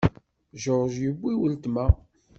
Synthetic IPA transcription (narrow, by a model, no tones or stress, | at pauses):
ʒoɾʒjəbːiwəlt̪mæ